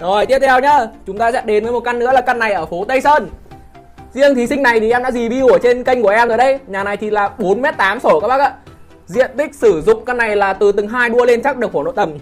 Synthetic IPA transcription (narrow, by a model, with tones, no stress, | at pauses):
zo˨˩jt̪i˦˥ət̚t̪ʰɛ˧wɲəː˨˧˦t͡ɕʊ˨˦ŋ͡mt̪aː˧sɛ̰˧˥ɗe˨˦nvəː˨˦jmo˨˩t̚ka˧nːɨ̰˧˥əlaː˨˩ka˧nːa˨˩jʔəː˧˩fo˨˦t̪ə˧jsəː˧n | zi˧əŋt̪ʰi˨˩sï˧ŋ̟na˨˩jt̪ʰi˨˩ʔɛ˧mɗa̰ː˧˥zi˨˩ɓi˧u˧˩ət͡ɕe˧nkə˧jŋ̟ku˩əʔɛ˧məː˨˩jɗə˧jɲaː˨˩na˨˩jt̪ʰi˨˩laː˨˩ɓo˨˦nmɛ˦˥t̚t̪aː˨˦mso˧˩kaː˦˥k̚ɓa˦˥ʔaː˧˥ | zḭ˧˨ənt̪ï˦˥k̟̚sɨ˧˩zʊ̰˧˨ŋ͡mka˧nːa˨˩jlaː˨˩t̪ɨ˨˩t̪ɨ˨˩ŋɦaː˧jɗu˧əle˧nt͡ɕa˦˥k̚ɗɨ˨˩ək̚fo˧˩no̰˧˨t̪ə˨˩m